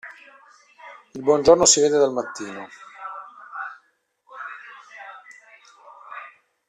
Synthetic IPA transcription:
ilbwɔnd͡ʒornosiveːd̪ed̪almat̪ːiːno

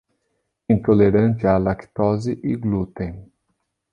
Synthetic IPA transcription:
ĩnt̪oleɾɐ̃nt͡ʃ̪ɪalakt̪ɔzɪʔiɡlut̪ẽj̃

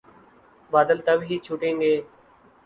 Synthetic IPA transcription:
baːd̪əlt̪əbʱɦiːt͡ʃʰuːʈẽːŋɡeː

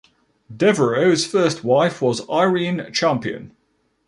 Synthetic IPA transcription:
dɛvəɹəʊz̥fɜˑstʰwaɪfwɒzaɪɹĩːnt͡ʃʰæ̃mpiə̰̃n

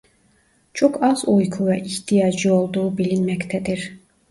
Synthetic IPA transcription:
t͡ʃʰokɑz̥ujkʰuvɛʔiçt̪ʰijɑːd͡ʒɯolˠd̪uːubilinmɛct̪ʰæd̪iɾ̥

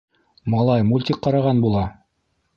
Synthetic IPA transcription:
mɑlˠɑjmulʲt̪ʲikqɑɾɑʁɑnbulˠɑ

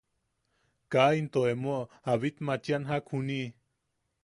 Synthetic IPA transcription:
kaint̪oemo | aβit̪mat͡ʃjanɦakhuni

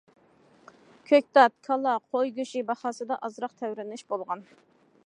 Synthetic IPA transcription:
kʲʰøk̚ʲt̪ɑt̪̚kʰɑlˠɑqʰojɡʲøʃibɑχɑːsɨd̪ɑʔɑzɾɑqt̪ʰɛwɾɪnɪʃbolˠʁɑn

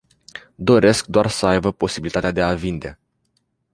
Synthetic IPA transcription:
d̪o̞ɾe̞skd̪oarsəajbəpo̞sibilit̪at̪ead̪e̞avind̪e̞

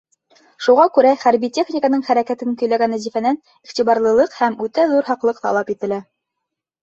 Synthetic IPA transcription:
ʃuʁɑkʉɾæχæɾbitʲe̞χnʲikənɤɴχæɾækæt̪ɘŋkɵ̆jlæɡænːæzifænæn | iχt̪iβɑɾlˠɤ̆lˠɤqhæmʉt̪æðuɾɦɑqlˠɤq̚t̪ɑ̰lˠɑpit̪ɘ̆læ

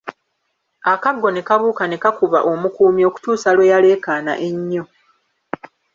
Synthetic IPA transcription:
akaɡːo̞ne̞kaβuːkane̞kakuβaʔo̞mukuːmjo̞ːku̥tuːsalwe̞jale̞ːkaːna̰ʔe̞ɲːo

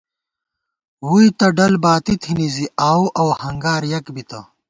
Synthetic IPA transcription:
wuit̪ɐɖɐlbaːt̪it̪ʰiniziaːwʔɐwhɐŋɡaːɾjɐkbit̪ɐ

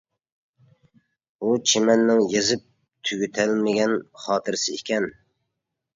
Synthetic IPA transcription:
ut͡ʃʰɪmanːɪŋjezɪp̚ | t̪ʰyɡʲyt̪ʰalmɪɡʲanχɑːt̪ʰɪɾsɪekʲʰɛn

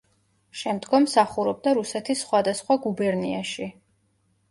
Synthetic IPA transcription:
ʃɛmd̪ɡɔmːsaχuɾɔb̚d̪aɾusɛt̪ʰisːχwad̪asχwaɡubɛɾniaʃi

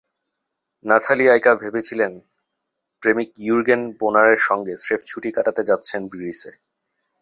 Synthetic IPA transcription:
nat̪ʰaliajkabʱebet͡ɕʰilen | pɾemik̚juɾɡenbonaɾeɾʃɔŋɡeseft͡ɕʰuʈikaʈat̪ed͡ʑatːɕʰenbiɾise

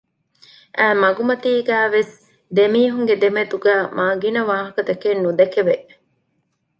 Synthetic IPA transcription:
ʔæːmɐɡumɐt̪iːɡæːʋes | d̪emiːɦuŋɡed̪emet̪uɡæːmaːɡinɐʋaːɦɐkɐt̪ɐkenːud̪ɐkeʋeʔ

